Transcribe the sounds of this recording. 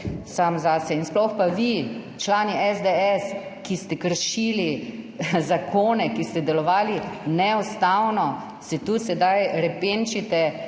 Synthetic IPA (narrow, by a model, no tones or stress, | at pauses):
samzasɛinsplɔxpaʋit͡ʃlaːniʔɛzd̪eɛs | kist̪ɛkəɾʃili | zakʰoːnɛkist̪ɛd̪ɛlɔʋaːlinɛust̪awnɔ | sɛt̪usɛd̪ajɾɛpent͡ʃit̪ɛ